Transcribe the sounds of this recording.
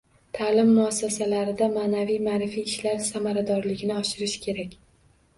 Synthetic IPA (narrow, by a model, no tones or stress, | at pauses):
t̪ʰaːlɪmːʊasːasalaɾɪd̪amaːnavijmaːɾɪfijːʃlaɾsamaɾad̪ɒɾlɪɡʲnɪɒʃɪɾɪʃkʲʰe̞ɾakʲ